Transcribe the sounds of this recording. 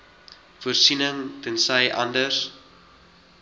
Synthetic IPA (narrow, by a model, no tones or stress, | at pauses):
fuərsinəŋtənsəjʔɐ̰ndərs